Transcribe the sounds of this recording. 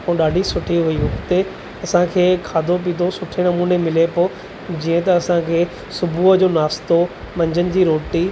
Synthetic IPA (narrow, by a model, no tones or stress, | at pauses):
põːɗaːɖʱisʊʈʰiɦʊiɦʊkt̪e | ɐsãkʰeːkʰaːd̪ʱop̬iːt̪ʰosʊʈʰenɐmuːnemɪlepoː | d͡ʑiːə̃t̪ɐːsãkʰeː | sʊbʱuəd͡ʑoːnaːst̪o | mɐ̃ɲd͡ʑənɪ̆d͡ʑiːɾoːʈi